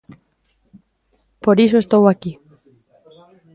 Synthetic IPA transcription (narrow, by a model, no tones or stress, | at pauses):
poɾisoest̪owaki